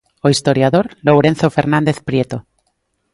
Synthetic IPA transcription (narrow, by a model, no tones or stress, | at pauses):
oist̪o̞ɾjaðoɾlowɾẽ̞n̟θofe̞ɾnãnd̪eθpɾjet̪o